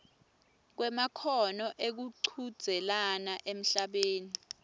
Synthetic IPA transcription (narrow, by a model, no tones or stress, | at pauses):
k̬wɛmakʰɔnɔʔek̬uǃʰud̥z̥ʱɛlanaʔem̩ɬaɓeːni